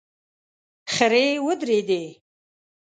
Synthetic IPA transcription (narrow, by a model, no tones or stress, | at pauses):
xəɾewəd̪ɾed̪e